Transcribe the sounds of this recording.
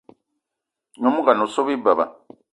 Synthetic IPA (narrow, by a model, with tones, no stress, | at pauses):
ɲo˨mu˦ka˨no˨so˦βi˦ba˨βa̰˨